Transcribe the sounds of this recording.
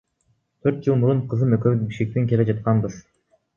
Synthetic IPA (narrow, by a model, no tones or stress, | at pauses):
t̪ʰøɾt̪̚d͡ʒɯlˠmuɾuɴqʰɯzɯmøkøβybiʃkʲek̚t̪eŋkʲeled͡ʒɑt̪̚qɑnbɯz̥